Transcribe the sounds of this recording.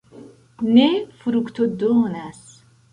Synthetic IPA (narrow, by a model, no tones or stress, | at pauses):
nefuɾukt̪ʰod̪oːnas